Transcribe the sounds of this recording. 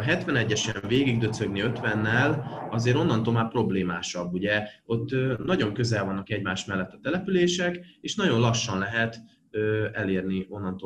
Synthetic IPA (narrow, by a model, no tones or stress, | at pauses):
ɦɛt̪ʋɛnɛɟːɛʃɛɱveːɡiɡ̚d̪øsø̞ɡniø̞t̪ʋɛnːɛlɒzeːɾo̞nːɒnt̪olmaːpro̞bleːmaːʃɒbːuɟɛo̞t̪ːnɒɟo̞ŋkøzɛlvɒnːɒkɛɟmaːʃmɛlːɛt̪ːɒ̥t̪ɛlɛpyleːʃɛkeːʃnɒɟo̞nlɒʃːɒnlɛɦɛt̪ | øɛleːrnio̞nːɒnt̪oː